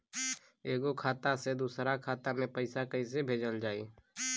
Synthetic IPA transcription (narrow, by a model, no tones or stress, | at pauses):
eːɡokʰaːt̪ased̪uːsɾakʰaːt̪amẽpəɪsakəĩs̬ebʱeːd͡ʒəld͡ʒaːiː